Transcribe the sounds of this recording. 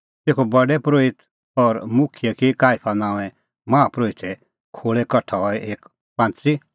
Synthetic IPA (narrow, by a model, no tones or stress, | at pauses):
t̪eːkʰobɐɖɛpɾoːɪt̪ | ɔːɾmʊkʰɪjekikaːɪpʰanãːɛ̃ | mãːpɾoːɪt̪ʰɛ | kʰoːɭɛkɐʈʰaɦɔɛʔeːk | pãːnt͡si